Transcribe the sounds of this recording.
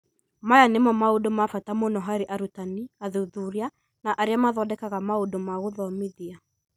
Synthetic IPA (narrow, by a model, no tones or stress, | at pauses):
majanemɔmaodomafatamonɔɦaɾiʔaɾutaniaðuðuɾja | naʔaɾjamaðɔdɛkaɣamaodomaɣoðɔmiðia